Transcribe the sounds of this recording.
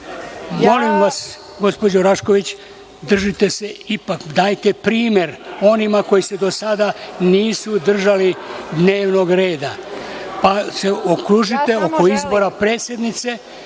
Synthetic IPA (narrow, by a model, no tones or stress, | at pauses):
mo̞limʋas | ɡo̞spo̞d͡ʑoɾaʃko̞ʋit͡ɕ | d̪r̩ʒit̪e̞se̞ipakd̪aːjt̪e̞pɾiːme̞ɾo̞nimako̞jise̞d̪o̞sad̪aniːsud̪r̩ʒalid̪ne̞ːʋno̞ɡɾeːd̪apase̞okɾuʒit̪e̞o̞ko̞izbo̞ɾapɾe̞ːt̪sʲje̞d̪nit̪se̞